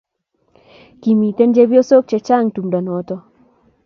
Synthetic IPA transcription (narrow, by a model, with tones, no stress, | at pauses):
ki˨mi˨t̪e˦nd͡ʒe˦bjo˦so˦k̚t͡ʃe˨t͡ʃa˦˨ŋtu˨mda˨nɔ˨tɔ˦